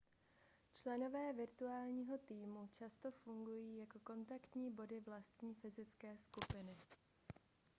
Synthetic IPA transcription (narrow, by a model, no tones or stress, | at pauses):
t͡ʃlɛno̞vɛːvɪɾt̪uaːlɲiːɦo̞t̪iːmut͡ʃast̪o̞fuŋɡujiːjako̞ko̞nt̪akt̪ɲiːbo̞dɪvlast̪ɲiːfɪzɪt͡skɛːskupɪnɪ